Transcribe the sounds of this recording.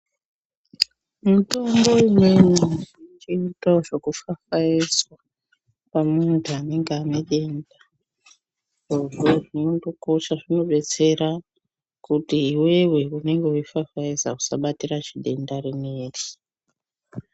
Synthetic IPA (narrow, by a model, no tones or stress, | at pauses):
muto̞mbo̞imwe̞nuit͡ʃiːtaʐe̞kufafaiswa | pamuntʰuane̞ŋɡeano̞ɗe̞nda | ʐ̥oʐo̞ʐino̞ndo̞ko̞ʃaʐino̞ɓe̞t͡se̞ɾa | kutiːwe̞we̞une̞ŋɡe̞uifafaisa̰ku̥sa̰ɓatiraʐiɗe̞ndaɾineːri